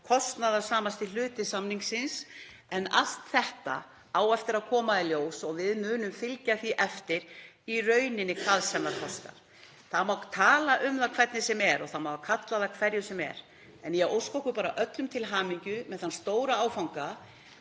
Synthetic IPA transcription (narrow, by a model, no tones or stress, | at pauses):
kʰɔst̪naðḁsaːmast̪ɪlʏːt̪ɪsamniŋksɪns | ɛna̰lst̪θɛht̪a̰ | aːwɛft̪ɪɾaðkʰɔːmaðɪljoːwsɔɣvɪðmʏːnʏmfɪlcaθiʔɛft̪ɪɾ̥ | irœɥnɪnːɪkʰaðsɛmnaɾkʰɔst̪a̰ɾ̥ | θaðmawt̪ʰaːlaʔʏmθakʰvɛt̪nɪsɛmɛɾɔɣθaðmawkʰat̪laðakʰvɛɾjʏsɛmɛ̰ɾ | ɛnjɛowskohkʏpaːɾaʔœt̪lʏmt̪ʰɪlɦaːmiɲcʏmɛðθanst̪oːwɾaaːwfawŋka